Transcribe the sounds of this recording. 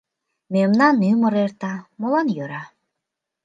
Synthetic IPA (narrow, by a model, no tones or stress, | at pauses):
memnanymɯɾeɾt̪amɔlˠɔnjøɾa